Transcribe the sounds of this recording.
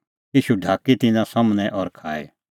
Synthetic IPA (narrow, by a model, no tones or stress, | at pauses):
jiːʃuɖʱaːkit̪ɪnãsɐmnɛʔɔːɾkʰaːɛ̰